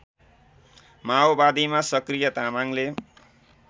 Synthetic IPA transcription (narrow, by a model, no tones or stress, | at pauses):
maobad̪imasʌkrijʌt̪amaŋle